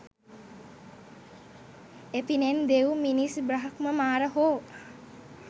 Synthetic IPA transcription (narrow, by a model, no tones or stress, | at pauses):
et̪inend̪ewminisbraɦɐkməmaːɾəɦoː